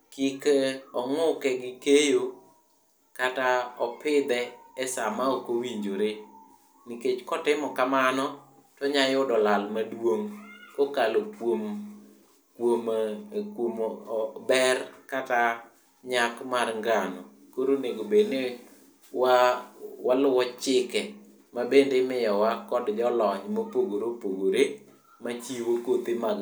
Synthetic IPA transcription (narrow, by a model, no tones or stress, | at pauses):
kikeɔŋʊkɛɡɪkejo | kataɔpɪd̪ɛɛsamaɔkowiɲd͡ʒoɾe | niket͡ʃkɔtɪmɔkamanɔ | tɔɲajʊdɔlalmadwoŋkokalopwom | kwomkwombɛrkat̪a | ɲakmarŋɡanɔ | koɾoneɡobedne | wawalʊwɔt͡ʃɪkɛ | mabendemɪjɔwakɔdd͡ʒɔlɔɲmopoɡoɾopoɡoɾe | mat͡ʃiwokot̪ema